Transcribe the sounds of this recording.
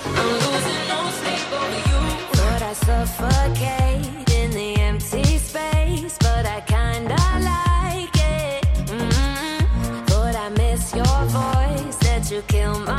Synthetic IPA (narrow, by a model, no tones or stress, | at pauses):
ðozɨnoʊseɪɡ̥oɾɨjuʌɾaɪsʌfəkʰeɪɾɪ̃nðiɛ̃m̚tʰispeɪsb̥ʌɾaɪkʰãɪ̃ndəlaɪkɪt̚m̩ | θɔɾaɪmɪsjə˞vɔɪsðɨt͡ʃɨkʰɪlˠma